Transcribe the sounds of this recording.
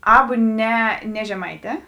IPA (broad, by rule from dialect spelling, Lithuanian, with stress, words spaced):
ˈɑːbʊ ˈnʲɛ nʲɛ ʒʲɛˈmɐɪˌtʲɛː